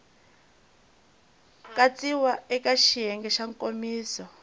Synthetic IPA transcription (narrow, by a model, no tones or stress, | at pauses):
kʼat͡siwaɛkʼaʃiɦɛŋɡɛʃaŋkʼomiːsɔ